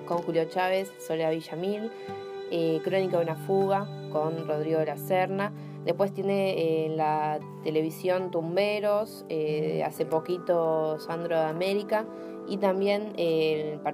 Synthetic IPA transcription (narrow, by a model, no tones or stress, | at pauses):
ko̞ŋxuljo̞t͡ʃaβe̞sːoleaβiʃamĩn | ekɾo̞nikoðunafuɣa | ko̞nro̞ð̞ɾiɣo̞laseɾna | d̪epwe̞st̪je̞nenla | t̪e̞le̞βisjo̞nt̪umbeɾo̞s | ea̰se̞po̞kit̪o̞sand̪ɾoameɾika | it̪ambje̞nepa